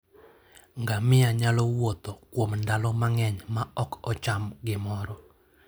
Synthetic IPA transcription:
ŋɡamɪaɲalɔwot̪ɔkwomndalɔmaŋɛɲmaɔkɔt͡ʃamɡɪmɔɾɔ

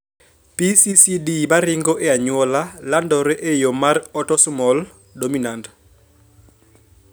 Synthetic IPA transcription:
pisisidibaɾɪŋɡɔʔeaɲwɔlalandɔɾɛʔejomarɔtɔsmɔl | dominand

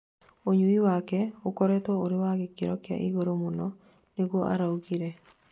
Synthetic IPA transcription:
oɲuiwakɛokoɾɛtɔoɾɪwaɣekeɾɔkja̰ʔiɣoɾomonɔ | neɣwɔʔa̰ɾaukiɾɛ

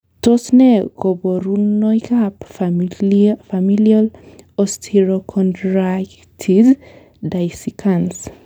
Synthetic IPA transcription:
tɔsnɛɡoboɾunɔjkap | familialɔstʰiɹokʰɔ̃ntɹak | tʰid | dajsikʰãns

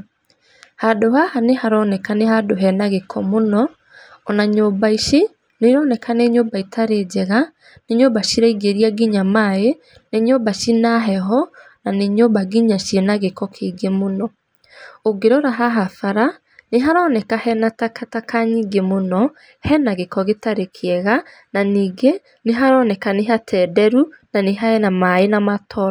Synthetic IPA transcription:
hadohahanehaɾɔnɛkanehadoɦɛnaɣekʰɔmonɔː | naɲoːbaiʃe | neɾɔnɛkʰaneɲoːbaitʰaɾed͡ʑɛɣa | neɲobaʃiɾaiɡeɾiaɡiɲamae | neɲobaʃinaɦɛɦɔ | naneɲoːbaɡiɲaʃienaɣekɔkʰeɡemonɔ | oɡeɾɔɾaɦaɦafaɾa | neɦaɾɔːnɛkahɛnatakatakʰaɲiɡemonɔ | hɛnaɣekɔɣetaɾekʰeɛɣa | naniːɡe | neɦaɾɔːnɛkaneɦatʰɛːdɛɾunaneɦaɛnamaenamatʰɔɾ

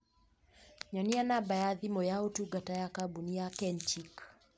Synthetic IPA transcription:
ɲɔnianabajaðimɔjautuɡatajakabuniakɛnt͡ʃik

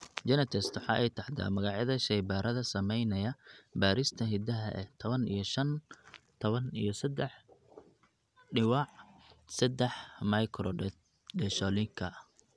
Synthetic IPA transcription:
d͡ʒɛnɛt̪ʰɛst̪wʊħɑ̰ːʔɛjt̪ʰɑħt̪a̰ːmɐɣɑʕjɐðɐʃɛjbaːɾʔɐðɐsɐmɛjnɐjɐbaːɾist̪ʰɐɦɪd̪ɐɦɐ̰ʔɛt̪ʰɔβɐnḭjɞʃɐnt̪ʰɔβɐnijɞsɐd̪ɛħ | ɖɪwɑʕsɛd̪ɛħmɐjkʰɾɔ | ɖɛʃɔlɪŋkʰɐ

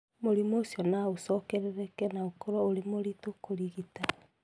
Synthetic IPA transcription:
moɾimoːsjɔnaosɔkɛɾɛɾɛkɛnaokoɾɔoɾemoɾitokoɾiɣita

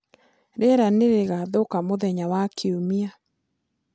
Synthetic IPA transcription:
ɾɛɾaneɾeɣaðokamoðɛɲawakʰeomia

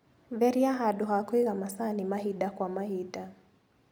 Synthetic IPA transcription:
vɛɾiaɦaɗuɦakwiɣamasanimaɦiɗakwamahida

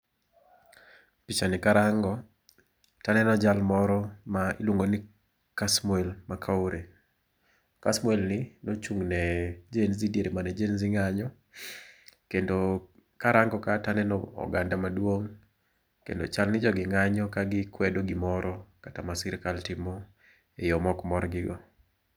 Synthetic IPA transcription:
pit͡ʃanɪkaɾaŋɡɔ | tanɛnɔd͡ʒalmɔɾɔmailwoŋɡonɪ | kasmwɛlmakʰaoɾe | kasmwɛlnɪnot͡ʃuŋnɛd͡ʒenzidieɾemanɛd͡ʒenzɪŋaɲɔ | kendo | kaɾaŋɡɔkatanɛnɔɔ̰ɡandamadwoŋ | kḛndo̰t͡ʃalnɪd͡ʒɔɡɪŋaɲɔkaɡɪkwɛdoɡɪmɔɾɔkatamasɪɾkaltɪmɔ | ejɔmɔkmɔɾɡɪɡɔ

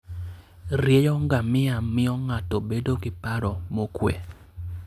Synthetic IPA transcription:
rjejɔŋɡamɪamɪɔŋatobedoɡɪpaɾɔmokwḛ

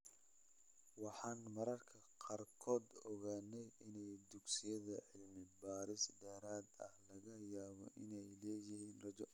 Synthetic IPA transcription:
wɑħɑːnmɐɾɐrkʰɐqɑːrkʰɔːd̪ɔɣaːnɛjɪnɛjd̪ʊɡsɪjɐðɐʕɪlmɪbaːɾɪsd̪ɛːɾaːd̪ɐ̰hlɐɣɐjaːβɔ̰ʔɪnɛjlɛːjɪɦiːnrɐd͡ʒɔ

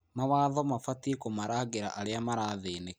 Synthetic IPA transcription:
mawaðɔmafatiekomaɾaːɣeɾa̰ʔaɾeamaɾaːðeːne

